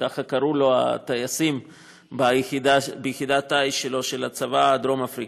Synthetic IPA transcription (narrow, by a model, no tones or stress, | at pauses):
aχakaɾulo̞a̰t̪ajasim | baid̪abejχid̪at̪ajʃelo̞ʃe̞lat͡savad̪ɾo̞mafɾi